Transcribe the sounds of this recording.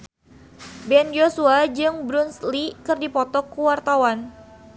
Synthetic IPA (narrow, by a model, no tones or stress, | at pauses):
bɛnd͡ʒosuad͡ʒɨŋbɾunslikɨrdipɔt̪ɔkuwart̪awan